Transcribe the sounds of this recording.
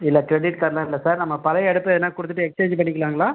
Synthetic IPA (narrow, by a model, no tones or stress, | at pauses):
ɪlːɐkɾɛɖɪʈkɐɾlaːɾɪlːɐsaːɾnɐmːɐpɐlɐjɛɽɯpːɐðɐnːaːkʊɽɯt̪ːɯʈːɯɛkst͡ʃeːɲd͡ʒpɐɳːɪkːɐlaːŋɡɐlaː